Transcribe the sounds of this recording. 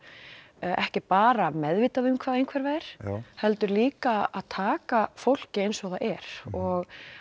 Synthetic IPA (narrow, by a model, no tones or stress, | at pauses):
ɛ̰hcɪpaːɾamɛðviːt̪aðʏmkʰv̥aðejnŋkʰvɛɾvɛːɪɾ̥hɛlt̪ʏɾliːkaaðt̪ʰaːkafowl̥cɪejnsɔɣðaɛɾ̥ɔɣ